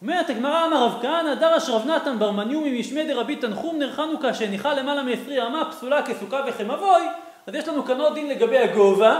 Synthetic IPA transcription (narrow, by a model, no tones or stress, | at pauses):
omeʁet̪aɡmaʁaːmaʁavkaanadaʁaʃʁavnat̪anbaʁmanjumimiʃmed̪eʁabit̪anχumneʁχanukaʃeniχale̞malameːsʁiamapsulakesukaveχemavo̞j | azjeʃlanukanod̪inle̞ɡabe̞jaɡova